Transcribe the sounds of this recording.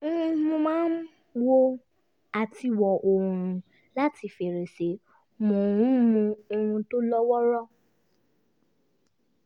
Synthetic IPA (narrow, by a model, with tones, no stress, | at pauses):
mũ˧mãː˦n˦ | wo˦ | a˨ti˧wɔ˨ʔo˨ɾũ˨˦ | la˦ti˧˨fe˨ɾe˨se˨˦ | mɔ̃˨ũ˨˦mũ˧o˧hũ˧to˦lɔ˦wɔ˦ɾɔ˦